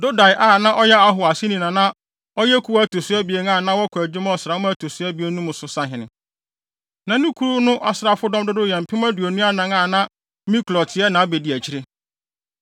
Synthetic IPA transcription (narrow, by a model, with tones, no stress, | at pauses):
do˦da˨jʔa˦˨nã˦ʔɔ˦jɛ˦a˦ɦʊ˨a˨sɪ˦nĩ˨nã˨nã˦ | ɔ˦jɛ˦kʰu˨˦a˨˦tʰo˨sʊ˦ɛ˦bi˨e˦n˦ãː˦˨nã˦wɔ˦kʰæ˨d͡ʑᶣɪ˦mã˦ɔ˨sɾa˨ʊ˦m̃˦tʰo˨sʊ˦æ˦bi˨˦e˦nũ˦mʊ̃˨sʊ˨sã˦ɦɪ̃˨nɪ̃˨ | nã˨nũ˦kʰu˦ɾu˦nʊ̃˦ʔa˨sɾa˨fʊ˦dɔ̃˦mdʊ˦dʊ˦jɛ˨m̩˨pʰɪ̃˦mã˦du˨o˨nũ˦a˦nã˨ŋãː˦˨nã˦ | mĩ˦klɔ˨tʰɪ˨ɛ˦nã˨˦be˨di˨æ˨t͡ɕʰi˦ɾe˦